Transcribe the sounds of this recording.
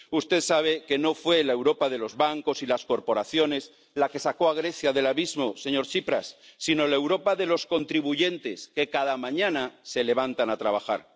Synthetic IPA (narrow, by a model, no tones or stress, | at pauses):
ust̪e̞ðsaβ̞e̞ke̞no̞fwe̞laewɾo̞paðe̞lo̞zβaŋko̞silasko̞ɾpo̞ɾaθjo̞ne̞z | lake̞sako̞aɣ̞ɾe̞θjaðe̞laβizmo̞se̞ɲo̞ɾt͡ʃipɾasːino̞laewɾo̞paðe̞losko̞nt̪ɾiβuʝe̞nt̪e̞ske̞kaðamãɲãnase̞le̞β̞ant̪anat̪ɾaβ̞axaɾ